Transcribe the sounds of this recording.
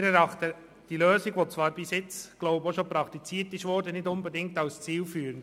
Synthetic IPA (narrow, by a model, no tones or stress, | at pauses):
ɾɛɾɑχt̪ə | d̥iløːsiɡʋɔt͡sʋɑːɾbɪsɪt͡sɡ̥loʊboʃopɾɑkt̪it͡siːtɪʃʋɔːɾdənɪdʊnbɛdɪŋk̚tɑlst͡siːlfyːɾənd